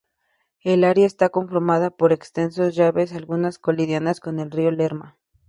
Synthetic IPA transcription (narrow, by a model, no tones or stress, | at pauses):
e̞laɾjaest̪ako̞ɱfoɾmaðapo̞ɾe̞kst̪e̞nsozʝaβe̞salɣunasko̞liðjanasko̞ne̞lriole̞ɾma